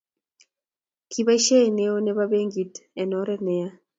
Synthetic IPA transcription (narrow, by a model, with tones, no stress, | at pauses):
kʰi˦βa˦ʃe˦e˨ne˦o˦nɛ˦βa˦be˦ŋɡi˨tɛ˨nɔ˦ɾɛ˦nɛ˨ja˦